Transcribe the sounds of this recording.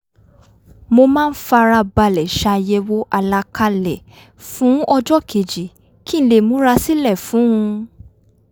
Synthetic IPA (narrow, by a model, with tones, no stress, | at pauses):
mo˧mãː˦˧n̩˦fa˧ɾa˧ba˧˨lɛ˨ʃa˧jɛ˧wo˦ʔa˧la˧ka˧lɛ˨ | fũ˨˦ɔ˧d͡ʒɔ˦˨kʰe˨d͡ʒi˨ | ki˦le˨mũ˨˦ɾa˧si˦lɛ˦˨fũ˨˦ũ˧